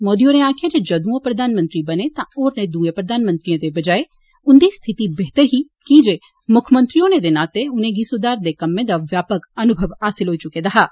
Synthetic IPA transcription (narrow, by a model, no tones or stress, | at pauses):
moːd̪ijõneaːkʰed͡ʒed͡ʒɐd̪ũõpɾɐd̪ʱaːnmə̃nt̪ɾibɐnet̪ãoːɾned̪uẽpɾɐd̪ʱaːnmə̃nt̪ɾijõd̪ebɐd͡ʒaːe | ʊnd̪ist̪ʰɪt̪ibɛɦt̪əɾɦi | kid͡ʒeː | mʊkʰmə̃nt̪ɾijõned̪enaːt̪eʊnẽɡisod̪aːɾd̪ekɐmːẽd̪aʋjaːpəkɐnʊbʱəʋaːsɪlɦoːit͡ʃʊkẽd̪aɦaː